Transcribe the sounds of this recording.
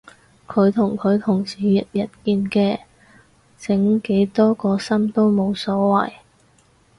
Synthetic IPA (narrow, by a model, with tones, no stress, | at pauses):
kʰɵ˨˧ɥt̪ʰʊ˨˩ŋkʰɵ˨˧ɥt̪ʰʊ˨˩ŋsiː˨jɐ˨t̚jɐ˨t̚kiː˧nkɛː˧ | t͡sɪ˨˥ŋke˨˥jt̪ɔː˥kɔː˧sɐ˥mt̪o˥wmo˨˧wsɔː˨˥wɐ̰˨˩j